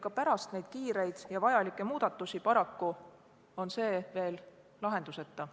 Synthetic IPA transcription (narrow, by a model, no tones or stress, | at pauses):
kɑpæɾɑst̪ne̞jd̥̪̚kiːɾe̞jd̪̥jɑvɑjɑlikːˑe̞muːd̪̥ɑt̪ːˑusipɑɾɑkːu | o̞nse̞ːve̞ːl | lɑɦe̞nd̪use̞t̪ːɑ